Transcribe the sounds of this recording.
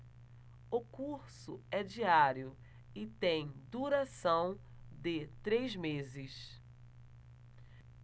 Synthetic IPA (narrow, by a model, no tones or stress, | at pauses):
ʊkuɾsʊɛd͡ʒiaɾjʊ | ɪt̪ẽj̃d̪uɾasɐ̃w̃ | d̪ɪt̪ɾejzmezɪs